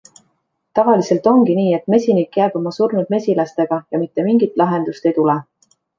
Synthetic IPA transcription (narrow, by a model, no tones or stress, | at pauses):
t̪ɑvɑlise̞lt̪ˑo̞ŋɡ̥iniːe̞t̪ːme̞sʲinikːjæːb̥o̞mɑsurnud̪̚me̞sʲilɑst̪e̞ɡ̥ɑjɑmit̪ˑːe̞miŋɡit̪ˑlɑɦe̞nd̪̥ust̪e̞jt̪ule